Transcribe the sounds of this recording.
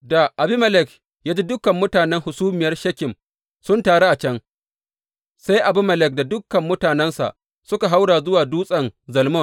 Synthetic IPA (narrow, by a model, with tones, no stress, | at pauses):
da˨ʔa˨bi˦mɐ˨lɛ˨k | jaː˦d͡ʒi˦dʊ˦kɐ˨mːʊ˦taː˨nɛ˦ŋhʊ˨suː˦mɪ˨jɐ˦rʃɐ˦kʲɪ˨m | sʊ˦ntaː˨ɽe˦ʔa˨t͡ʃɐ˦ŋ | sa˦jʔa˨bʊ˦mɐ˨lɛ˨k̚da˨dʊ˦kːɐ˨mːʊ˦taː˨nɛ˦nsa̰˨ʔ | sʊ˦ka˨ɦa˦wɽaː˨zʊ˦waː˨duː˦sʼɐ˨nzɐ˨lmɔ˦˨n